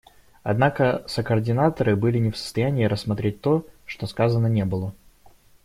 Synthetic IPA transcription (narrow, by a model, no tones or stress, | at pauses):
ɐd̪nakəsəkərdʲɪnat̪əɾɨbɨlʲɪnʲɪfsə̥st̪ɐjænʲɪːɾəsmɐt̪ɾʲet̚ʲt̪o̞ʂt̪o̞skazənənʲe̞bɨlˠə